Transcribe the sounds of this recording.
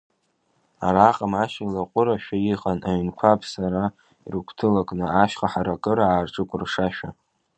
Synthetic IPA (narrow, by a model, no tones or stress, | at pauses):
a̰ɾaqʼamaʃalaqʷʼʊɾaʃᶣajiχʼanaɥnkʷʰapʰsaɾa | ḭrɨkʷʰtʰɨlakʼnɨaʃᶣχaħaɾakʼɨɾaaːrʈ͡ʂʼɨkʷʼʊrʂaʃᶣa